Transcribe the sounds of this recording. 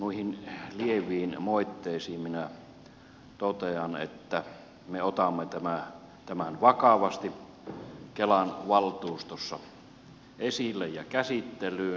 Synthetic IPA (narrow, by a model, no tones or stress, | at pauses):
nuihinlieʋˑiːnmoˑit̪ːeˑisiːmminæ | t̪ot̪eɑnḛt̪ːæ | meot̪ɑmːet̪æmæ | t̪æmænʋɑkɑʋɑst̪i | kelɑnʋɑlt̪uːst̪osːɑ̰ | esilːejjɑkæsit̪ːelyː